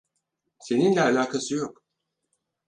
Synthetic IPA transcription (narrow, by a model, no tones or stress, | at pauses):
se̞ninlʲɛalʲaːkʰasɯjo̞k